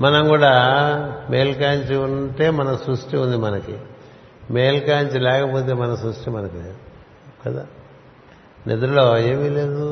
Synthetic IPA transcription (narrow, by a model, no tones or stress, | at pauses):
mɐnɐmkuːɽaːmeːjlkaːɲt͡ʃiuɳʈe̞ːmɐnɐsɾuʂʈiund̪imɐnɐki | me̞ːlkaːɲt͡ʃilɛːkɐpoːt̪̬e̞ːmɐnɐsɾuʂʈimɐnɐki | kɐd̪a̰ː | nʔed̪ɐɾuloːe̞ːmile̞ːd̪u